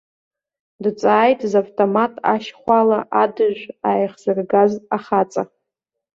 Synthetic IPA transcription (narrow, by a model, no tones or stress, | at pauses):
dt͡sʼaːjtʼzavtʼomatʼa̰ʃχʷalaʔadɨʒʷᶣaːjχz̥arɡaztʼaχat͡sʼa